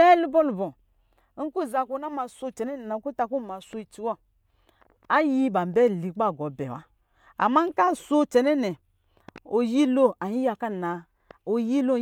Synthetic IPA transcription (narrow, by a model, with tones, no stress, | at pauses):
ɛ˦lu˦bɔ˦lu˨bɔ˨˦ | ŋ̩˦ku˦˨za˧˨ku˧na˦ma˧so˧t͡ʃɛ˨nɛ˦nɛ˨na˨˦ku˦ta˧ku˦˨ma˨so˧i˨t͡ʃi˦wɔ˦ | a˦ji˦ba˨m˨bɛ˦˨li˨k͡pa˦˨ɡɔ˨˦bɛ̰˨wa̰˦ | a̰˨ma˦ŋ̩˦ka˦˨so˦t͡ʃɛ˨nɛ˦nɛ˨ | o˨ji˦lo˦a˨ɲi˦ja˧ka˦˨na˨ | o˨ji˦lo˦